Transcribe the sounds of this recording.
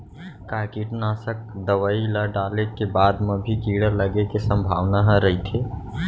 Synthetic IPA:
kaːkiːʈnaːsək̚d̪əʋailaɖaːlekebaːd̪mẽbʱikiːɽəɾləɡekesə̃mbʱaːʋnaɦə̃ɾəɦit̪ʰeː

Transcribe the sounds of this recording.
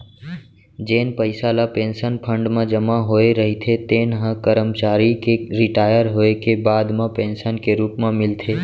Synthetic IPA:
d͡ʒeːnpəɪsalapẽːnsənpʰə̃ɳɖmãd͡ʒəmaɦoːeɾəɦit̪ʰet̪eːnɦə̃kəɾəmt͡ʃaːɾikeɾɪʈaːjəɾɦoekebaːd̪mãpẽːnsənkeɾuːpmãmɪlt̪ʰeː

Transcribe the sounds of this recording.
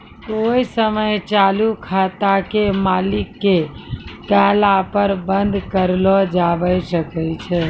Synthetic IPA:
koisəməjt͡ʃalukʰat̪akemalikːekalapəɾbənd̪ʱkəɾlɔd͡ʒabəjsəkɛt͡ʃʰɛ

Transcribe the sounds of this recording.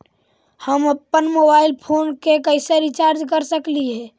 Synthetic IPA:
həməpːənmobaɪlpʰoːnkekəɪseɾit͡ʃaɾd͡ʒkəɾsəkliɦɛː

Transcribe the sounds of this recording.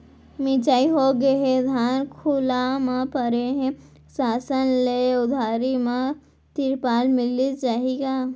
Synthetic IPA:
mɪ̃t͡ʃaːiɦoɡeɦed̪ʱaːnkʰʊlamãpəɾeɦɛ̃ | saːsənleʊd̪ʱaːɾimã | t̪ɪɾpaːlmɪlid͡ʒaːɦeɡaː

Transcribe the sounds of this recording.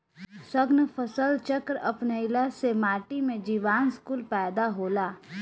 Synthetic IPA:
səɡnfʰəsəlt͡ʃəkɾɐpnəɪlasemaːʈimẽd͡ʒiːʋaːnskuːlpɛːd̪aɦoːlaː

